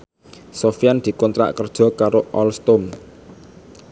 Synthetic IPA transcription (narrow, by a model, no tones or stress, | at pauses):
sofijand̪̥i̤kɔnt̪ɾa̰ʔkərd̥ʒ̥ɔ̤kaɾoʔɔlst̪om